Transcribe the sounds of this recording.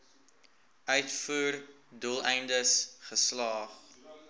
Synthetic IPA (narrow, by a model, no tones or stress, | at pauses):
œɥtfuːr | dulˠɛjndəsχəslɑːχ